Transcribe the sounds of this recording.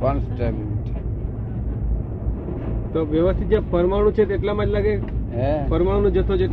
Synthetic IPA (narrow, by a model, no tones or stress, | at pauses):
pansʈaminit | t̪oʋjəʋəst̪ʰit̪̚d͡ʒãpəɾmaɽ̃ũt͡ʃʰet̪eʈlamãd͡ʒlaɡeɛpʰəɾmãõnõd͡ʒət̪ʰːod͡ʒeʈ